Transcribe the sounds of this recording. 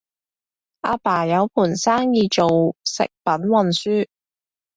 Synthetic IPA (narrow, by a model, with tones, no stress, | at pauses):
ʔaː˧paː˨˩jɐ˨˧wpʰuː˨˩nsaː˥ŋjiː˨˧t͡ʃo˨wsɪ̰˨k̚pɐ˨˥nwɐ˨nsyː˥